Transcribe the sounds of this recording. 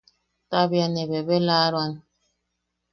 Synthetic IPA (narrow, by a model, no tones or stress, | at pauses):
tabjaneβebelaːɾwan